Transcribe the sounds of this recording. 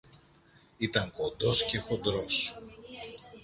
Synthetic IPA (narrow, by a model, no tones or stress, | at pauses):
it̪ɐŋko̞nd̪o̞scexo̞d̪ɾos